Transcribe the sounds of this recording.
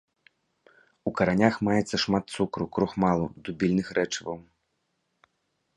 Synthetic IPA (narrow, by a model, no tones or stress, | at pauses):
ukɐɾanʲaxmajɛt̪sːɐʂmat̪t̪sukɾukɾuxmalˠud̪ubʲilʲnɨxɾɛt͡ʂɐvɐw